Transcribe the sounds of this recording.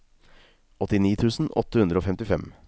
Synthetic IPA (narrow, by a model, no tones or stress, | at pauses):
ʔɔt̪ːɪniːt̪ʰʉːsn̩ʔɔ̰t̪ːəhʉnd̪ɾəoːfɛmt̪ɪfɛm